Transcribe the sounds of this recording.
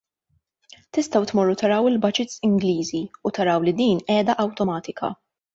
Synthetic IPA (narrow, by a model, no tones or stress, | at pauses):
t̪ɪst̪ɐwt̪mɔrːut̪ɐɾɐwɪlbɐd͡ʒɪt̪sɪŋɡliːziut̪ɐɾɐwlid̪iːnɛːd̪ɐʔɐwt̪ɔmɐːt̪ɪkʰɐ̰